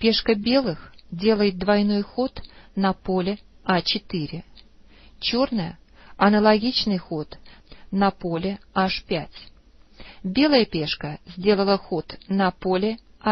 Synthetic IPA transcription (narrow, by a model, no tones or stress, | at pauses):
pʲe̞ʂkəbʲe̞lˠɨxdʲe̞lˠəjɪt̪̚d̪vɐjno̞jxo̞t̪nɐpolʲɪ | at͡ɕɪt̪ɨɾʲɪ | t͡ɕo̞rnəjə̰ | ɐnəlˠɐɡʲit͡ɕnɨjxo̞t̪nɐpolʲɪaʂpʲætʲ | bʲe̞lˠəjəpʲeʂkəzʲdʲe̞lˠəlˠəxo̞t̪nɐpolʲɪ | a